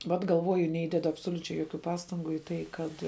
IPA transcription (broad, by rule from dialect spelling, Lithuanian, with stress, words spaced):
ˈʋɐt ɡɐlˠˈʋoːjʊ nʲɛˈiːdʲɛdʊ ɐpsoːlʲʊˈt͡ʃʲɛɪ joːˈkʲuː ˈpɑːstɐŋɡʊ iː ˈtɐɪ ˈkɐt